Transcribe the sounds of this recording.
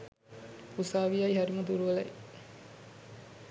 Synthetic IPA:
usaːʋijɐjiɦɐɾimɐd̪uɾuʋɐlɐj

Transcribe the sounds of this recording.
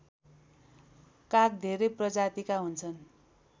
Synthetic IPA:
kak̚d̪ʱeɾʌjprʌd͡zat̪ikaɦunt͡sʰʌn

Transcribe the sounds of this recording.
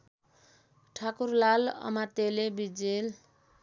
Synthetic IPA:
ʈʰakurlalʌ̰mat̪elebid͡zel

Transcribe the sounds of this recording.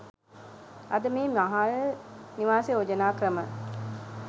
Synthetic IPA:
ɐd̪əmeːmaɦaːləniʋaːseod͡ʒɐnaːkrɐmə

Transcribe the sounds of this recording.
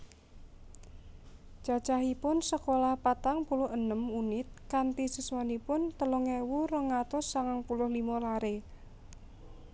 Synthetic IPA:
d͡ʒ̥a̤̥t͡ʃaɦipʊnsəkolahpat̪aŋpulʊhənəmunɪt̪̚kant̪isiswanipʊnt̪əlɔŋewurəŋat̪ʊsːaŋaŋpulʊhlimalaɾe

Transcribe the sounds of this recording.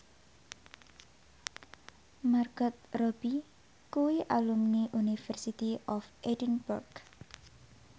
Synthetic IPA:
marɡɔt̪̚rɔb̥i | kuwiʔalumniʔunifɛrsit̪iʔɔfʔedənburɡ

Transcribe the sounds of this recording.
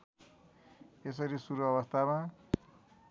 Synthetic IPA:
es̬ʌɾisuɾuʌβʌst̪ʰama

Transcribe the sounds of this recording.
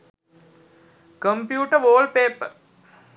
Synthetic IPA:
kəmpjuːʈəʋoːlpeːpə

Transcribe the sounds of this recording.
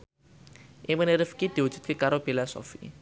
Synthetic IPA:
ʔɪŋmənəɾɪfkid̪̥i̤wu̥d͡ʒ̥ṳ̥t̪̚kekaɾob̥elasɔ̰fḭ

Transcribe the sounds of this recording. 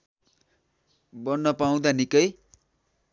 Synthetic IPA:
bʌnːʌpaw̃d̪anikʌj

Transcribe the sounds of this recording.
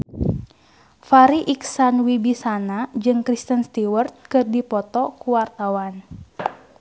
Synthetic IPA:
faɾiʔiksanwibisanad͡ʒɨŋkɾist̪ənst̪iwərt̪̚kɨrdipɔt̪ɔkuwart̪awan

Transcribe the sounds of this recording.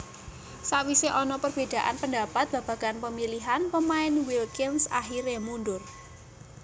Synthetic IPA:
sawiseʔɔnɔpərb̥e̤d̪̥a̤ʔa̰npənda̤pat̪̚b̥ä̤b̥ä̤ɡ̥anpəmiliɦanpəmaɪnwilkɪnsa̰ɦiɾemundʊr

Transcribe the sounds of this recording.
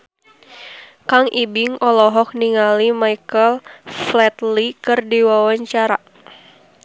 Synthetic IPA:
kaŋʔibɪŋɔlɔɦɔk̚niŋalimaikəlflɛt̪likɨrdiwawaɲt͡ʃaɾa

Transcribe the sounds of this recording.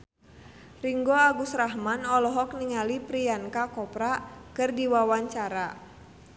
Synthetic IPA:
riŋɡɔaɡusraɦmanɔlɔɦɔk̚niŋalipɾiankakɔpɾakɨrdiwawaɲt͡ʃaɾa

